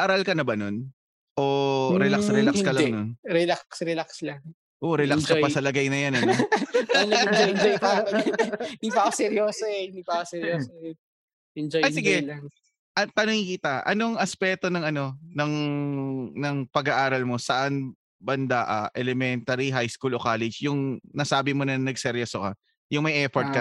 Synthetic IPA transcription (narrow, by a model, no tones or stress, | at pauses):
ʔaɾɐlkɐnɐbɐnon | ʔoɾɛlasɾɛlakskɐlɐŋnonɾɛlaksɾɛlakslaŋ | ʔoʔɾɛlakskɐpɐsɐlɐɡajnɐjanɐnolɐd͡ʒoɪnd͡ʒojpa | d̪ipakosɛɾjoːsoɛɪnd̪ipakosɛɾjoːso | ɛnd͡ʒoɐjsɪɡɛ | ʔɐt̪ɐnoŋikɪt̪ɐʔɐ̰noŋʔɐspɛːt̪o̞nɐŋɐno̞nɐŋ | nɐŋpɐɡɐʔaːɾɐlmo̞sɐʔan | bɐnd̪aʔɐʔɛlɛmɛnt̪ɐɾiɦajskulokaːlɛd͡ʒjʊŋnɐsaːbɪmonɐnɐɡsɛɾjosokɐ | jʊŋmɐjʔɛfoɾt̪kɐ